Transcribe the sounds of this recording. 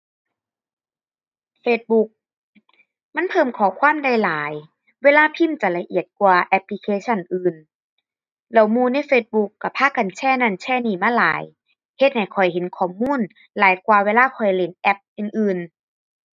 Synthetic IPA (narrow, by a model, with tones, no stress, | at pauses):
feː˧t̪̚bu˧k̚ | ma˧˥˨npʰɤː˧˩˨mkʰɔː˨˦kʰwaː˧˥˨mda˧˩jlaː˨˦j | weː˧˥˨laː˧˥pʰi˧˥˨mt͡ɕa˨˧˩la˧ʔi˧˨˩ət̪̚kwaː˧ʔɛ˧pli˧kʰeː˧˩t͡ɕʰa˧˥˩nʔɯː˧n | lɛ˧˩wmuː˧˩na˧˥˨jfeː˧t̪̚bu˧kːa˧˩pʰaː˧˥˨ka˨nt͡ɕʰɛː˧˩˨na˧˥˩nt͡ɕʰɛː˧˩˨niː˧˩maː˧˥˨laː˨˦j | he˧t̪̚ha˨˩jkʰɔ˨˩jhe˨˦nkʰɔː˧˩˨muː˧˥˨n | laː˨˦jkwaː˧weː˧˥˨laː˧˥˨kʰɔ˨˩jle˧˩nʔɛ˧p̚ʔɯː˧nʔɯː˧n